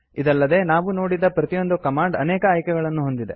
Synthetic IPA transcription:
id̪ɐlːɐd̪e̞ːnaːʋuno̞ːɽid̪ɐpɾɐt̪ijo̞nd̪ukɐmaːɳɖɐ̰nɛːkɐːjkɛɡɐɭɐnːuɦo̞nd̪id̪e̞̰

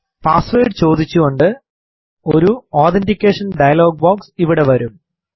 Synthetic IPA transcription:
paːsʋejɖɨt͡ɕo̞ːd̪it͡ɕːuɣo̞ɳɖɨ | oɾuoːt̪endikʲːeːʂɐnɖɐjɐlo̞ːɡ̚boːksiʋiɽe̞ʋɐɾum

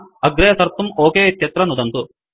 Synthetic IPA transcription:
ɐɡɾɐɦɐsɐɾt̪umoːkeːt̪jɐt̪ɾɐnud̪ɐnt̪u

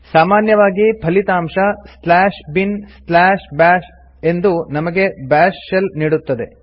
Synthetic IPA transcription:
saːmaːnjɐʋaːɡipʰɐlit̪aːmʂɐslaːʃbinslaːʃbæːʃ | e̞nd̪unɐmɐɡe̞baːʂːelniːɽut̪ːɐd̪e̞

